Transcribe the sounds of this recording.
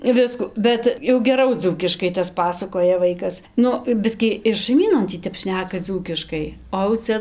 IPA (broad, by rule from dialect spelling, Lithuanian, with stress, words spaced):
ˈʋʲɪskʊ ˈbʲɛt jɛʊ ɡʲɛˈrɐʊ ˈd͡zuːkʲɪʃkɐɪ tɐs ˈpɑːsɐkoːjɛ ˈʋɐɪkɐs ˈnʊ ˈbʲɪsʲkʲiː ɪr ʃɐɪˈmʲiːnoːn ˈtʲiː ˈtʲɛp ˈʃʲnʲæːkɐ ˈd͡zuːkʲɪʃkɐɪ oː ɐʊ ˈt͡sʲɛ